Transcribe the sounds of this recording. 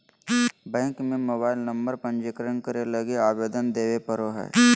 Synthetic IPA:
bɛ̃ːŋkmẽmoːbaːɪlnə̃mbəɾpə̃ɲd͡ʒɪkɾənkəɾeləɡeaːʋeːd̪ənd̪eːʋepəɾoɦɛ̰ː

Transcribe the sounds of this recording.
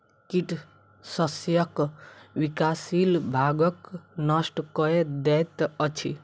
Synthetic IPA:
kiʈ | sʌsjʌkwikasilbʱaɡʌknʌsʈkɔed̪ɛt̪ʌt͡ʃʰi

